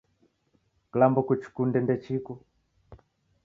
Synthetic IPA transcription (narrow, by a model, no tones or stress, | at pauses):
klambɔkut͡ʃi̥kundɛndɛt͡ʃikɔ